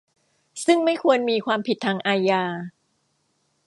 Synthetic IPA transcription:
sɯ˥˩ŋma˥˩jkʰu˧ənmiː˧kʰwaː˧mpʰi˨˩t̪ʰːaː˧ŋʔaː˧jaː˧

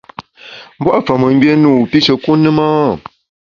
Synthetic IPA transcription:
m̩˦bwa˦ʔfə˨mə˨ŋ˦ɡe˦nuː˦˨pi˦sə˨ku˦nɨ˦ma˦˨

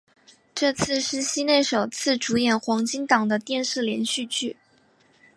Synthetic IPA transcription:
ʈ͡ʂɤ˥˧t͡sʰɹ̩˥˧ʂɻ̩˥˩ɕi˥ne˥˩ɪʂo˨˩ʊt͡sʰɹ̩˥˩ʈ͡ʂu˧˥jɛ˨˩nxwɑ˧˥ŋt͡ɕi˥ŋt̪ɑ˨˩ŋd̪ə˦t̪jɛ˥˧nʂɻ̩˥˩ljɛ˧˥nɕy˥˧t͡ɕʰy˥˩

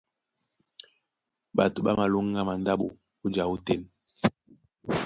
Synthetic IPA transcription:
ɓa˨tu˨ɓa̰˦ma˨lu˦ŋː˦a˦ma˨n˦da˦ɓo˨ | u˦d͡ʒa˨u˦te˦n

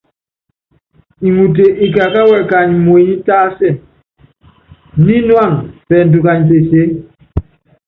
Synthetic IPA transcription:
i˨ŋu˨t̬e˨ʔi˨k̬a˨ka˦wɛ˨ka˨ɲmwe˨ɲi˦taː˦sɛ˦˨ | ni˦nwa˦˨ŋfɛ˨n̩˨tu˨ka˨ɲse˨se˦

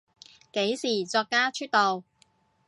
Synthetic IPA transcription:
ke˨˥jsiː˨˩t͡sɔː˧kːaː˥t͡ʃʰyː˥t̚t̪o˨w

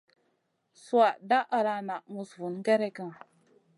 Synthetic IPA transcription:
su˦a˨da˦ʔa˨ɾa˨na˨mu˨svu˨n˦ɡɛ˦ɾɛ˦kə˦ŋ˨

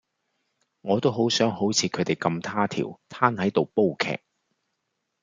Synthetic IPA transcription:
ŋɔː˨˧t̪o˥wɦo˨˥wsœː˨˥ŋho˨˥wt͡sʰiː˨˧kʰɵ˨˥t̪e˨jkɐ˧mt̪ʰaː˥t̪ʰḭː˨˩wt̪ʰaː˥nhɐ˨˥jt̪o˨wpo˥wkʰɛ̰ː˨˩k̚

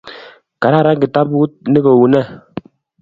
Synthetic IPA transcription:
ka˨ɾa˦˨ɾa˦ŋ˨ɡi˨ta˦pwu˦t̚ne˦kɔ˨wu˨nɛ˦˨

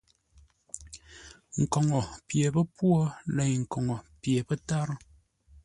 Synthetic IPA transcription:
ŋ̩˨kɔ˨ŋɔ˨pje˨pə˦pwɔ˦lɛ˨jŋ̩˨kɔ˨ŋɔ˨pje˨pə˦ta˦ɾ

